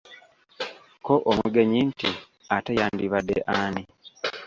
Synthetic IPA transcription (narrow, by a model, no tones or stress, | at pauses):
koʔomuɡe̞ɲinti | atejaːndiβadːḛʔaːni